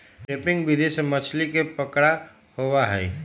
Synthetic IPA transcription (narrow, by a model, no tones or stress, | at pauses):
ɾeːpɪ̃ŋɡbɪd̪esemɐt͡ʃʰlikepəkɽa | hoʋaɦɛː